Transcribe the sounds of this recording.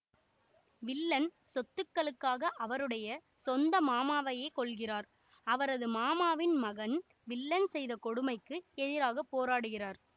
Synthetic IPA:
ʋɪlːɐnsɔt̪ːɯkːɐɭɯkːaːɣɐʔɐʋɐɾɯɽɐjɐ | sɔnd̪ɐmaːmaːʋɐjeːkɔɭɣɪraːɾ | ɐʋɐɾɐðɯmaːmaːʋɪnmɐɣɐn | ʋɪlːɐnsɛjðɐkɔɽɯmɐɪkːɯɛðɪɾaːɣɐpːoːɾaːɽɯɣɪraːɾ

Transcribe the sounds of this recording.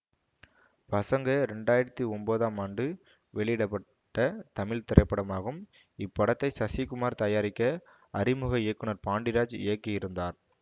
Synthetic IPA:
pɐsɐŋɡɐɾɛɳɖaːjɪɾɐt̪ːiɔmboːðaːmaːɳɖɯ | ʋɛɭɪɪɽɐpːɐ | ʈːɐt̪ɐmɪɭt̪ɪɾʔɐɪpːɐɽɐmaːɣɯm | ɪpːɐɽɐt̪ːɐɪsɐsikʊmaːɾt̪ɐjaːɾɪkːɐ | ɐɾɪmʊɣɐɪjɐkːɯnɐɾpaːɳɖɪɾaːd͡ʒɪjɐkːɯjɪɾɯnd̪aːɾ

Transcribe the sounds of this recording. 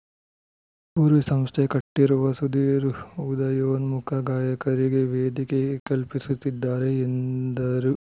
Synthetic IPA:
puːɾʋisɐmst̪ʰekɐʈːiɾuʋɐsud̪iːɾud̪ɐjoːnmukʰɐɡaːjɐkɐɾiɡeʋeːd̪ikekɐlpisut̪ːid̪ːaːɾeːnd̪ɐɾu

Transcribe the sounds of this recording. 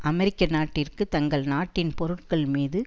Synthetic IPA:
ʔɐmɛɾɪkːɐnaːʈːɪrkɯt̪ɐŋɡɐɭnaːʈːɪnpɔɾɯʈ̚kɐɭmiːðɯ

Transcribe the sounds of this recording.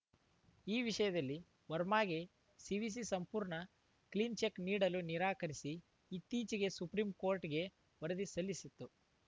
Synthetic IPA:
iːʋiʂɐjɐd̪ɐlːi | ʋɐɾmaːɡe | siʋis̬isɐmpuːɾɳɐ | klint͡ʃekniːɽɐluniɾaːkɐɾisiː | t̪ːiːt͡ʃiɡe̞supɾimkoːɾʈɡe̞ | ʋɐɾɐd̪isɐlːisit̪ːu

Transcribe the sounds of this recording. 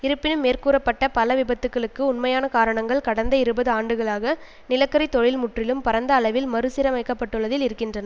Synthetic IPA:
ɪɾɯpːɪnɯmːeːrkuːɾɐpːɐʈːɐpɐlɐʋɪbɐt̪ːɯkːɐɭɯkːɯʊnmɐjaːnɐkaːɾɐɳɐŋɡɐɭkɐɽɐnd̪ɐɪɾɯbɐðɯaːɳɖɯɣɐɭaːɣɐ | nɪlɐkːɐɾɐɪt̪ːɔɻɪlmʊʈrɪlɯmpɐɾɐnd̪ɐːɭɐʋɪlmɐɾɯsɪɾɐmɐɪkːɐpːɐʈːɯɭːɐðɪlɪɾɯkːɪndrɐnɐ

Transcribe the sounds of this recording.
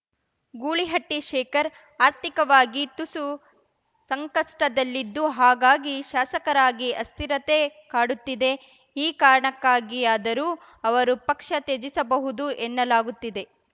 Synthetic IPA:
ɡuːɭiɦɐʈːiʃɛːkɐɾ | aːɾt̪ikɐʋaːɡit̪usu | sɐŋkɐʂʈɐd̪ɐlːid̪ːuɦaːɡaːɡiʃaːsɐkɐɾaːɡiʔɐst̪iɾɐt̪ekaːɽut̪ːid̪e̞ | iːkaːɾɐɳɐkːaːɡiaːd̪ɐɾuː | ɐʋɐɾupɐkʂɐt̪ed͡ʒisɐbɐɦud̪uʔɛnːɐlaːɡut̪ːid̪e̞

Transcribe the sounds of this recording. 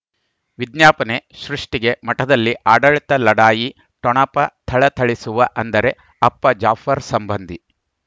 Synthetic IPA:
ʋid̪njaːpɐne̞ʃɾuʂʈiɡe̞mɐʈɐd̪ɐlːiʔaːɖɐɭit̪ɐlɐɽaːji | ʈɔɳɐpɐt̪ʰɐɭɐt̪ʰɐɭisuʋɐʔɐnd̪ɐɾe̞ | ɐpːɐd͡ʒaːfʰɐɾsɐmbɐnd̪ʱi

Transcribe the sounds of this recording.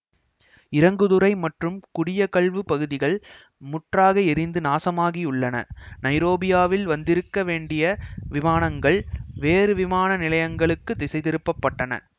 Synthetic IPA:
ɪɾɐŋɡɯðɯɾɐɪmɐʈrɯmkʊɽɪjɐkɐɭʋɯpɐɣɯðɪɣɐɭ | mʊʈraːɣɐɪɾɪnd̪ɯnaːsɐmaːɣiʊɭːɐnɐ̰nɐɪɾoːbɪjaːʋɪlʋɐnd̪ɪɾɯkːɐʋeːɳɖɪjɐʋɪmaːnɐŋɡɐɭʋeːɾɯʋɪmaːnɐnɪlɐjɐŋɡɐɭɯkːɯt̪ːɪsɐɪðɪɾɯpːɐpːɐʈːɐnɐ̰

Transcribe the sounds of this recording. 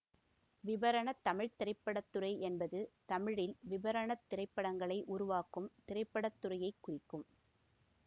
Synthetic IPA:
ʋɪʋɐɾɐɳɐt̪ːɐmɪɻt̪ɪɾɐɪpːɐɽɐt̪ːɯrɐɪʔɛnbɐðɯt̪ɐmɪɻɪlʋɪbɐɾɐɳɐt̪ːɪɾɐɪpːɐɽɐŋɡɐɭɐɪʔʊɾʊʋaːkɯmt̪ɪɾɐɪpːɐɽɐt̪ːʊrɐjɐɪkːʊrɪkːɯm

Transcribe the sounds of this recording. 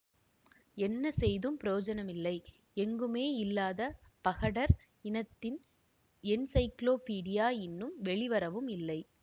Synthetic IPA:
ɛnːɐsɛjðɯmpɪɾoːd͡ʒɐnɐmɪlːɐɪ | ɛŋɡɯmeːɪlːaːðɐ | pɐɣɐɽɐɾ | ɪnɐt̪ːɪn | ɛnsɐɪkloːpiːɽɪjaːɪnːɯmʋɛɭɪʋɐɾɐʋɯmɪlːɐɪ

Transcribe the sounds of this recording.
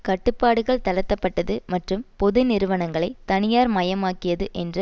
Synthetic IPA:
kɐʈːɯpːaːɽɯɣɐɭt̪ɐlɐt̪ːɐpːɐʈːɐðɯmɐʈrɯmpɔðɯnɪɾɯʋɐnɐŋɡɐɭɐɪt̪ɐnɪjaːɾmɐjɐmaːkɪjɐðɯʔɛndrɯ

